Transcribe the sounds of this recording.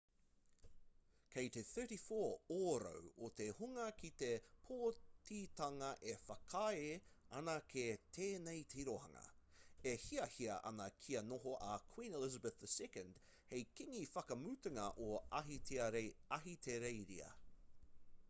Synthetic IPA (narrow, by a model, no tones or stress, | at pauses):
kʰejt̪eθɜ˞ɾifoːoɾo̰wot̪ehuŋɐkit̪e̞pʰoːt̪it̪ɐŋɐʔefɐkʰɐeɐnɐkʰet̪ʰeːnejt̪ʰiɾohɐ̰ŋɐ̰ehiɐhiɐʔɐ̰nɐkʰiɐnoɦoʔɐkʰw̥ĩːnelɪzɐbəθðəsɛkə̃nd̥ | hejkiŋifɐkɐmʉːt̪ɐŋɐʔoɐɦitiɐɦit̪ʰeɾejɾḭɐ̰